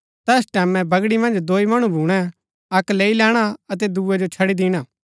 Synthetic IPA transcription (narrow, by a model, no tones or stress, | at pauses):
t̪ɛːsʈɛːmɛ̃bɐɡɽimɐ̃nd͡ʒd̪oːimɐɽ̃ũbʱuːɽ̃ɛ̃ | ɐkleːilɛːɽ̃aɐt̪̬ɛd̪uːɛd͡ʒot͡ʃʰɐɽid̪iːɽ̃aː